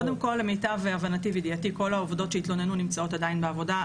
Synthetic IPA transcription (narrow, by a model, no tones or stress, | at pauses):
ode̞mko̞lemejtaveavanatividijatiko̞laovdo̞t̪ʃeit̪lo̞nenunimt͡sao̞t̪ad̪ainbeavo̞da